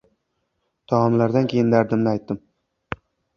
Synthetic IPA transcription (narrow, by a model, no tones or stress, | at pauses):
t̪ʰɒɒmlaɾd̪ankʲʰe̞jɪnd̪aɾd̪ɪmnɪajt̪ːɪm